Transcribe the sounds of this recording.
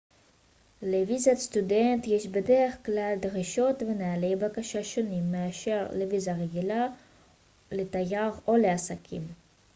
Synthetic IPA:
levizatst̪udent̪jeʃbedeʁeχklald̪ʁiʃo̞t̪veneale̞jbakaʃaʃo̞nimːeaʃe̞ʁlevizaʁeɡila | let̪ajaʁo̞leasakʰḭm

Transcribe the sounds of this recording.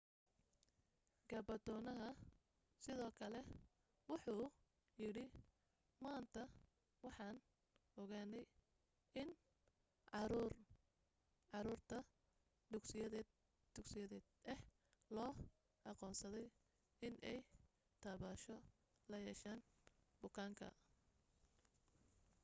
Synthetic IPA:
ɡɐbɐd̪ɔːnɐɦɐ | sɪðɔːkʰɐlɛ | wʊħuː | jɪɽɪ | maːnt̪ʰɐ | wɑħɑːn | ʔɔɣaːnɛj | ɪn | ʕɑɾuːr | ʕɑɾuːrt̪ʰɐ | d̪ʊɡsɪjɐðɛ | d̪̥ʊɡsɪjɐðɛːd̪ɛh | lɔː | ʔɑqɔːnsɐðɛj | ɪnʔɛj | t̪ʰaːβaːʃɔ | lɐjɛːʃaːnbʊkʰaːŋkʰɐ̰

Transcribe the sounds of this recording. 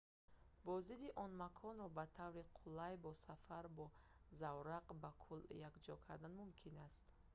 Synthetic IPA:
bɔzid̪iʔɔnmakʰɔnɾɔbat̪ʰavɾiqʰulajbɔsafaɾbɔ | zawɾaqbakʰuljakd͡ʒɔkʰaɾd̪anmumkʰinast̪

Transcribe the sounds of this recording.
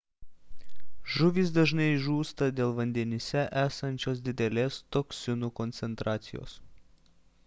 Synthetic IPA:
ʒʊʋʲiːs̬d̪ɐʒnɐɪʒuːst̪ɐd̪ʲeːlˠʋɐnʲd̪ʲɛnʲɪsʲɛʔæːsɐnʲt͡ʃʲoːs̬d̪ʲɪd̪ʲɛlʲeːst̪oksʲɪnuːkɔnʲt̪sʲɛnt̪ɾʔɑːt̪sʲɪjo̰ːs

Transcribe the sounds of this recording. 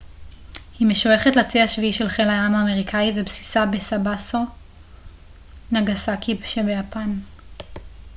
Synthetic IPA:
hime̞ʃoeχetlat͡siaʃviiʃe̞lχelaamaːme̞ʁikʰaivebsi̥sabesabaso | naɡasakʰibʃebe̞japan

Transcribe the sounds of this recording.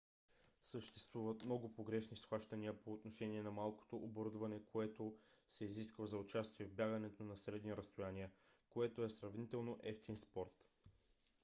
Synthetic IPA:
səʃt̪ɛst̪vuvət̪mnɔɡʊpoɡɾɛʃnisxvaʃt̪ɐniəpoːt̪noʃɛniɛnɐmalˠko̥t̪oʔoboɾud̪vɐnɛkʰoɛt̪osɛiziskvəzɐot͡ʃast̪iɛvbʲjaɡənɛt̪onɐsɾɛd̪niɾɐst̪ojaniəkoɛt̪oɛsɾɐvnit̪ɛlˠnoʔɛft̪inspɔɾt̪

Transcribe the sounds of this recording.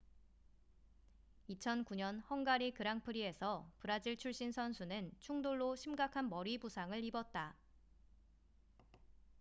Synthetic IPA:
it͡ɕʰʌnkuɲʌnhʌŋɡaɾikɯɾaŋpʰɯɾie̞sʰʌpɯɾad͡ʑiɭt͡ɕʰuɭɕ͈insʰʌnsʰunɯnt͡ɕʰuŋdoɭːoɕʰimɡakʰanmʌɾibusʰaŋɯɭibʌt̚t͈a

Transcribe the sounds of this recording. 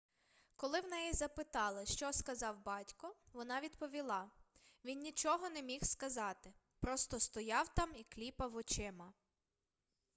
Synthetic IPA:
kɔlˠɪwnɛjizɐpɪt̪ɑlˠɪʃt͡ʃɔskɐzɑwbɑtʲkɔʋɔnɑʋʲid̪pɔʋʲilˠɑʋʲinːʲit͡ʃɔɦɔnɛmʲixskɐzɑt̪ɪ | pɾɔst̪ɔst̪ɔjɑwt̪ɑmiklʲipɐwɔt͡ʃɪmɐ

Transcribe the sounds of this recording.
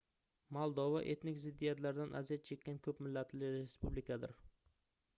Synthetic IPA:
mɒlˠd̪ɒva̰ʔe̞t̪nɪkʲzɪd̪ːijat̪laɾd̪anʔa̰zijat̪̚t͡ʃʰe̞kʲːankʲʰɵpmɪlːat̪ʰlɪɾespublɪkʰad̪ɪɾ

